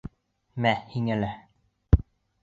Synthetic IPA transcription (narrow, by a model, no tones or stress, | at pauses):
mæhiŋælæ